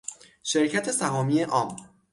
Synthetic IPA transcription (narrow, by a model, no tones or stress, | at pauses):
ʃe̞ɾcʰæt̪ʰe̞sæɦɒːmiːeʔɒːm